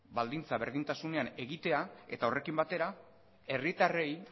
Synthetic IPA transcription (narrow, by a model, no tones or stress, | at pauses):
bald̪int͡saβe̞ɾðint̪asune̞ane̞ɣit̪e̞ae̞̰t̪ao̞re̞kimbat̪e̞ɾa | e̞rit̪are̞j